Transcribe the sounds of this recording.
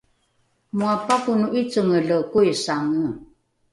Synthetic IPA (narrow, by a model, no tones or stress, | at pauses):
muapakunuʔit͡səŋəɮəkuisaŋə